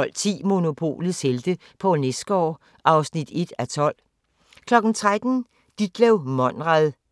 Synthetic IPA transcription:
ɒ̽l̰t͡sʰḭːmo̝no̝pʰo̝̰ːlð̩ˠseld̥ə | pʰɒ̽nesd̥əɒ̰ː | ʔɑ̈ʊsnid̥e̝d̥æt͡sʰɒ̽l̰ | kʰlɒ̽ɡ̥n̩t͡sʰʁad̥n̩ | d̥id̥̚ɡ̥lɛʊmɒ̽n̰ʁaðˠ

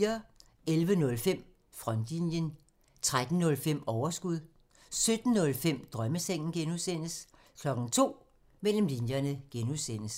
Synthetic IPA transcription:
ɐ | elʋənɔ̽lfem̰ | fʁɒnd̥linjən | t͡sʰʁad̥n̩ːɔ̽lfem̰ɒʊɐsɡ̥uð̰ˠ | sød̥n̩ːɔ̽lfem̰d̥ʁɶməseŋ̰n̩ɡ̥enuðˠsen̰əs | kʰlɒ̽ɡ̥n̩t͡sʰo̝̰ː | mel̰m̩linjɐnəɡ̥enuðˠsen̰əs

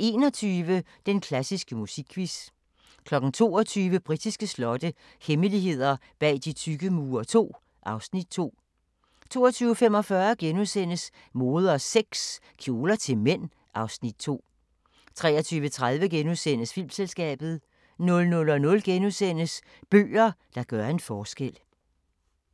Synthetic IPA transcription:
e̝ːnɒt͡sʰyːʋə | d̥enkʰlæsisɡ̥əmusiɡ̥kʰːʋis | kʰlɒ̽ɡ̥n̩t͡sʰo̝̰ːɒt͡sʰyːʋəb̥ʁid̥isɡ̥əslɒ̽d̥ə | heməliɦe̝ð̰ˠɐ | b̥ɛ̰ːd̥it͡sʰyɡ̥əmuːɐt͡sʰo̝̰ː | ʔɑ̈ʊsnid̥̚t͡sʰo̝̰ː | t͡sʰo̝̰ːɒt͡sʰyːʊəfem̰ɒ̽fɶɐɡ̥enusen̰əs | mo̝ːð̞ˠɐɒseɡ̥s | kʰjo̝ːlɐt͡sʰe̝lmen̰ | ɑ̈ʊsnid̥̚t͡sʰo̝̰ː | t͡sʰʁɛ̰ːɐt͡sʰyːʋət͡sʰʁað̞ˠʋəɡ̥enusen̰əsfil̰mselsɡ̥ɛ̰ːb̥ð̞̩ˠ | nɔ̽lnɔ̽lɒ̽nɔ̽lɡ̥enusen̰əs | b̥ø̰ːɐd̥ɑ̈ɡ̥ɶɐe̝nfɒːsɡ̥el̰

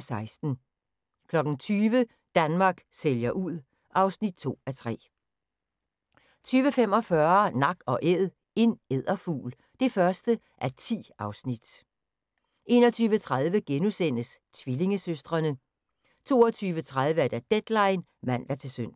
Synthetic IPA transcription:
sɑ̈ɪsd̥n̩ | kʰlɒ̽ɡ̥n̩t͡sʰyːʋə | d̥ænmɑ̈ːɡ̥seljɐʔuð̰ˠ | ʔɑ̈ʊsnid̥̚t͡sʰo̝̰ːæt͡sʰʁɛ̰ː | t͡sʰyːʋəfem̰ɒ̽fɶɐnɑ̈ɡ̥ɒ̽ʔeð̰ˠ | e̝neð̰ˠɐfṵːl | d̥e̝fɶɐsd̥ə | ʔæɐt͡sʰḭːɑ̈ʊsnid̥ | e̝̰ːnɒ̽t͡sʰyːʋət͡sʰʁaðˠʋəɡ̥enusen̰əst͡sʰʋile̝ŋəsøsd̥ʁɐnə | t͡sʰo̝̰ːɒt͡sʰyːʋət͡sʰʁað̞ˠʋəæɐd̥æd̥ed̥lɑ̈ɪnmæn̰d̥æt͡sʰe̝søn̰

